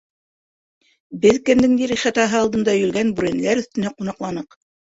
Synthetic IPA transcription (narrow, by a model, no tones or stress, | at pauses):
bɘðkɘ̆md̪ɘŋd̪iɾiχæt̪ɑɦɤɑlˠd̪ɤ̆nd̪ɑjɵ̆lɡænbʉɾæn̆læɾɵ̆θt̪ɘ̆næqunɑqlˠɑnɤq